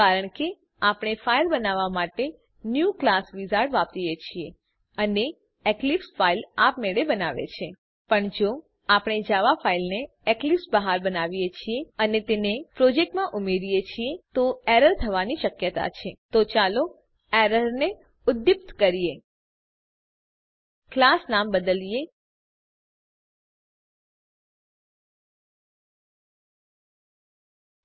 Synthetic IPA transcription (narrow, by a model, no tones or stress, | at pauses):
aɾəɳke | apəɳ̃efailbənaʋamaʈe | njuklasʋizaɽʋap̚t̪ijet͡ʃʰie | əne | eklipsfailapmeɭebənaʋḛt͡ʃʰe | pəɳd͡ʒo | apɽ̃ed͡ʒaʋafailne | eklipsbəɦaɾbənaʋijet͡ʃʰieənet̪enepɾɔd͡ʒek̚ʈmãʔumeɾijet͡ʃʰiet̪oɛɾəɾt̪ʰəʋaniʃəkjət̪a̰t͡ʃʰet̪ot͡ʃalo | eɾəɾne | ʊd̪jip̚t̪kəɾije | klasnambəd̪əlije